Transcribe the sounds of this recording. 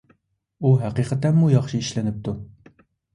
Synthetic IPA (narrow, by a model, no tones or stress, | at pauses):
uɦæqiqʰət̪ɛnmujɑχʃiiʃlɪnɪp̚t̪ʰu